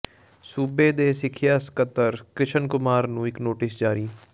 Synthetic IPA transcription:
suːbeːd̪eːsɪkʰjaːsə̥kət̪ːəɾkɾɪʃənkʊmaːɾnũːɪknoːʈɪsd͡ʒaːɾiː

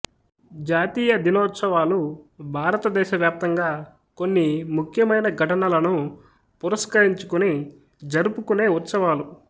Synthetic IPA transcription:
d͡ʒaːt̪iːjɐd̪inɔːt̪sɐʋaːlubʱaːɾɐt̪ɐd̪ɛːʃɐʋjaːp̚t̪ɐŋɡaː | ko̞nːimukʰjɐmɐjnɐɡʱɐʈɐnɐlɐnu | puɾɐskɐɾiɲt͡ʃukuni | d͡ʒɐɾupukune̞ːut̪sɐʋaːlu

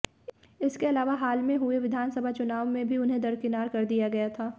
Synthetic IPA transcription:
ɪskeɐlaːʋaɦaːlmẽɦʊeʋɪd̪ʱaːnsɐbʱat͡ʃʊnaːʋmẽbʱiʊnɦẽd̪ɐɾkɪnaːɾkɐɾd̪ijaɡɐjat̪ʰaː

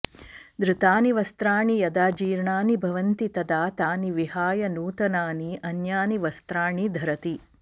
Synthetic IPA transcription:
d̪ɾɪt̪aːniʋɐst̪ɾaːɳijɐd̪aːd͡ʒiːɾɳaːnibʱɐʋɐnt̪it̪ɐd̪aːt̪aːniʋiɦaːjɐnuːt̪ɐnaːniʔɐnjaːniʋɐst̪ɾaːɳid̪ʱɐɾɐt̪i

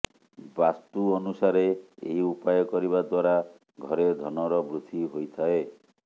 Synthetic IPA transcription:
bast̪uɔnusaɾeḛɦiupajɔkɔɾiβad̪waɾa | ɡʱɔɾed̪ʱɔnɔɾɔbɾut̪ʰiɦojt̪ʰae

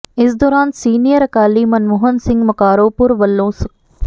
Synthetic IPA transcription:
ɪsd̪ɔːɾaːnsiːnijəɾɐkaːliːmɐnmuːɦənsɪ̃ŋɡmɐkaːɾoːpʊɾʋɐlːõːsk

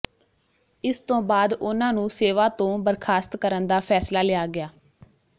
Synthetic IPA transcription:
ɪst̪õːbaːd̪ʊnãːnũːseːʋaːt̪õːbəɾkʰaːst̪kəɾənd̪aːpʰɛːslaːlɪaːɡɪjaː

